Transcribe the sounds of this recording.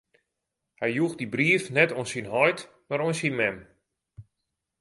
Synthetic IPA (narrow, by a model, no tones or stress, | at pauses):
hɛjjuɣdibriəfnɛtonsinɦɔjt | maɾonsinmɛm